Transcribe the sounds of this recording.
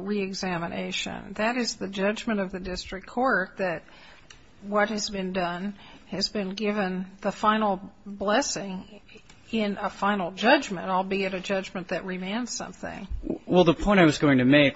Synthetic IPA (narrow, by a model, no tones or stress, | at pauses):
ɹiɨɡzæmɨnʔḛɪʃɨ̰̃nðɨɾɨzðɨd͡ʒʌd͡ʒmɨ̃ɾ̃ʌvðɨdɪstɹ̥ɨkʰɔɹt̪̚ðɨt̚ | wʌt̚hɨzbɨ̃ndʌ̃n | ɨzbɨ̃nɡɪvɨ̃nðəfãɪ̃nl̩ˠblɛsɪ̃ŋ | ɪ̃nʔəfãɪ̃nl̩ˠd͡ʒʌd͡ʒmɨ̃ntaɪlˠbiɨɾɨd͡ʒʌd͡ʒmɨ̃nðɨʔ̚ɹimẽɪ̃nz̥sʌ̰̃mθɪ̰̃ŋwɛlˠðəpʰɔ̃ɪ̃ɾ̃aɪwʌzɡoʊɪ̃ŋtʰɨmeɪk